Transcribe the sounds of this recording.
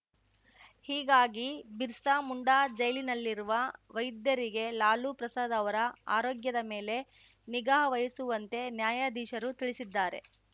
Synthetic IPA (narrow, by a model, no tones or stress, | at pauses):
hiːɡaːɡibiɾsaːmuɳɖaːd͡ʒɐjlinɐlːiɾuʋɐʋɐjd̪jɐɾiɡe̞laːlupɾɐsaːd̪ɐʋɐɾɐa̰ːɾoːɡjɐd̪ɐme̞ːle̞ | niɡaːɦɐʋɐjɐsuʋɐnt̪e̞njaːjad̪iːʃɐɾut̪iɭisid̪ːaːɾe̞̰